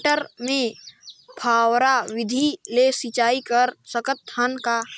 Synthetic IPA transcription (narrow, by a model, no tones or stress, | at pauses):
ʈəɾmẽpʰaːwɾawɪd̪ʱilesit͡ʃaːikəɾsəkət̪ʰːənka